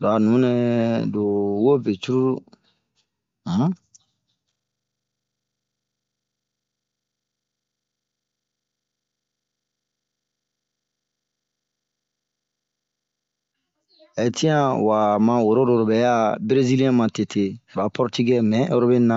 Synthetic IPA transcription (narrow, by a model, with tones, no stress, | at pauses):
ɾa˨nũ˨˦nɛ˦do˨wo˦be˨t͡ʃu˦ɾu˦ɾu˦ | e˨ti˦ã˦wa˨mã˨wo˨ɾo˦do˨ɾo˨bɛ˨ja˦bɾe˦zi˦li˦ɛ̃˦mã˨te˨tʰe˨ba˨pɔ˦ɾti˦ɡɛ˦mɛ̃˨˦ʔe˦ɾo˦be˦nã˦˨